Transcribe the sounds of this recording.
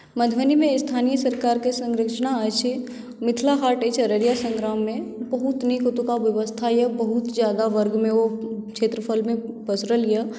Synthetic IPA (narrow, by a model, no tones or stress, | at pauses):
məd̪ʱʋənimẽɪst̪ʰaːnijəsəɾkaːɾkesə̃ŋɾəkʃnaat͡ʃʰi | mɪt̪ʰlaɦaːɾʈeːt͡ʃʰəɾəɾjasə̃ŋɡɾaːmːẽbɐɦʊt̪nikʊt̪ukaʋjəʋəst̪ʰajəbəɦʊt̪zjaːd̪aʋəɾɡmẽʋokʃʰeːt̪ɾəfəlmẽ | pəsɾəlija